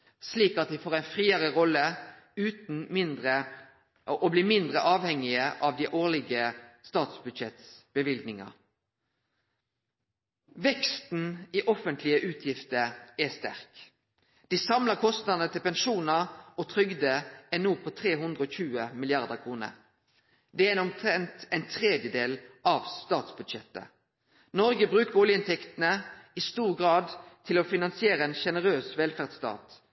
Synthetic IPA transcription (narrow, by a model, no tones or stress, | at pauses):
sliːkɑt̪̚d̪ɛfoːʁæɪnfʁiːəʁəʁɔlːə | ʉːt̪n̩mɪnd̪ʁə | ʔobliːmɪnd̪ʁəʔɑːʋhɛŋːɪəʔɑʋd̪iʔoːʁlɪɡəst̪ɑːt̪sbʉd̪ʃɛt̪sb̥əʋɪlɡnɪŋɑ̰ | ʋɛkst̪n̩iʔɔfənt̪ʰlɪəʔʉːt̪ʰjɪft̪əɾɛst̪æ̰ʁk | d̪̥isɑmləʁkʰɔst̪nɑd̪ənət̪ʰɪlpɛnʃuːnəʁot̪ʰʁʏɡd̪əɛnuːpʰɔt̪ʰʁeːɦʉnd̪ʁəɔːçʉːəmɪlɪɑʁd̪əkʰʁuːnə̰ɾ | d̪ɛææɪnɔmt̪ʰʁɛnt̪ɛɪnt̪ʰʁeːd̪jəd̪eːlɑʋst̪ɑːt̪sbʉd̪ʃɛt̪ːə̰ | nɔɾɡəbʁʉːkəʁɔljəɪnt̪ʰɛkt̪nəɪst̪uːʁɡʁɑːd̪t̪ʰɪlofɪnɑnsɪeːɾəɛnʃɛnəʁøːsʋɛlfæʁd̪st̪ɑ̰ːt̪